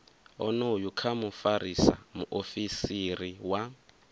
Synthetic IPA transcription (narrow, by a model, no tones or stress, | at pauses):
ɔ̰nojukʰamufaɾisa̰muʔofisiriwa